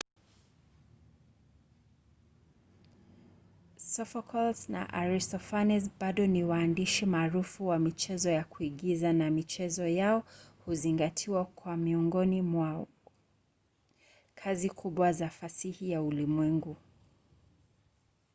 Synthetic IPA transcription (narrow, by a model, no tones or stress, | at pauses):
sɔfakʰɔlsna̰ʔaɹistɔfanɛs̬baɗɔniwaːndiʃimaːɾufuwamit͡ʃɛzɔjakuiɠizanamit͡ʃɛzɔjaɔhuziŋɡatʰiwakwamiɔŋɡɔnimwa | kʰazikʰuɓwazafasihijaulimwɛŋɡu